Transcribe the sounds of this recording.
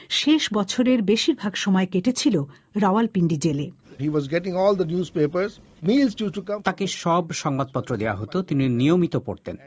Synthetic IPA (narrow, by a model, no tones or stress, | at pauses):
ʃeʃbɔt͡ɕʰoɾeɾbeʃiɾbʱaɡʃɔmɔekeʈet͡ɕʰilo | ɾawalpiɳɖid͡ʑelehiʋɔzɡɛʈɪ̃ŋɔːld̪ənjuːzpeːpəɾz | miːlsʈjuʈukt̪akeʃɔbʃɔŋbad̪̚pɔt̪ːɾod̪ea̰ɦot̪ot̪ininijomit̪opo̰ɾt̪ḛn